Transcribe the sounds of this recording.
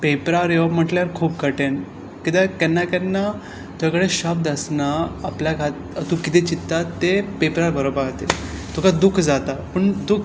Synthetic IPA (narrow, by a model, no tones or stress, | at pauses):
pepɾaɾjeʋam̤əʈljaɾkʰuːp̚kəʈen | kit̪akɛnːakɛnːa | t̪jakəɽeɕab̚d̪əsnaːpljaɡʱat̪ | t̪ukit̪et͡ɕit̪ːat̪ːepepɾaɾbʱəɾobəɾɡʱat̪ḭlt̪ukad̪ukʰd͡zat̪apəɳd̪ukʰ